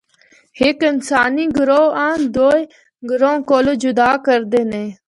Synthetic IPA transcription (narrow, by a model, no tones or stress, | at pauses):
hɪkɪnsaːniːɡʊɾoːãːnd̪oːe | ɡʊɾõːkoːloːd͡ʒʊd̪aːkəɾd̪eːnẽː